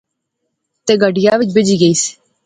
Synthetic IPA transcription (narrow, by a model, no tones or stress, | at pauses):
t̪eːɡəɖɪjaːʋɪt͡ʃbɪd͡ʒiːɡəiːsi̥